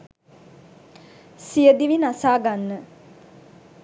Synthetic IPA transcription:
sijəd̪iʋinasaːɡanːə

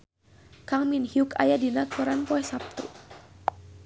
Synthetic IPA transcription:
kaŋminhiuka̰jadinak̪uɾanpɔɛsap̚t̪ṵ

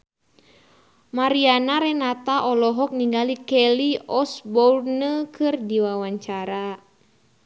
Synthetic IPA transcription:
maɾianaɾɛnat̪aʔɔlɔɦɔk̚niŋɡalikɛliɔsbɔrnəkʰɨrdiwawaɲt͡ʃaɾa

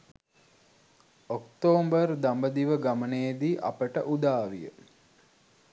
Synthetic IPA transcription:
okt̪oːmbərd̪ambəd̪iʋəɡaməneːd̪iːʔa̰pəʈəʔud̪aːʋijə̰

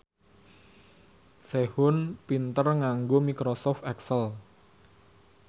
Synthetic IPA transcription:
sehʊnpint̪ərŋaŋɡomikɾosɔft̪ɛksəl

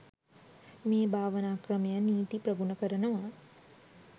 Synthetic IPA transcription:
meːbʱaːʋənaːkrəmejəniːt̪iprəɡunəkəɾənəʋa

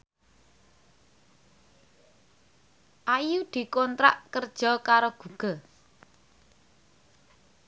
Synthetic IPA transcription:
ʔajud̪̥i̤kɔnt̪ɾa̰ʔkərd̥ʒ̥ɔ̤kaɾoɡ̥ṳɡ̥ɔ

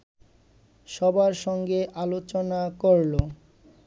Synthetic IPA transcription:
ʃɔbaɾʃɔŋɡeʔalot͡ɕonakoɾlo

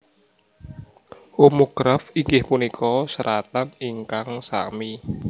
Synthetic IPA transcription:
omoɡ̥ɾafiŋɡɪhpunikʰɔsəɾat̪aniŋkaŋsa̰mi

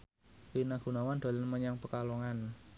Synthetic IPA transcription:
winaɡ̥ṳnawand̥̪a̤lɪnməɲaŋpəkalɔŋan

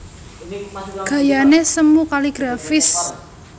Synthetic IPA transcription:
ɡ̥a̤janesəmukaliɡ̥ɾafɪs

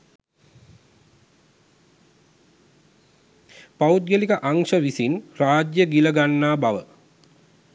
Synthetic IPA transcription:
paud̪ɡəlikəʔaŋʂəʋisinraːd͡ʒjəɡiləɡanːaːbaʋə

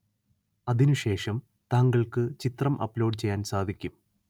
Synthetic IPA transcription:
ɐðinuɕe̞ːʂɐm | t̪aːŋɡɐɭkɨt͡ɕit̪rɐmʔɐ̰pːlo̞ːɖt͡ɕe̞jːaːnsaːd̪ʱikʲːum

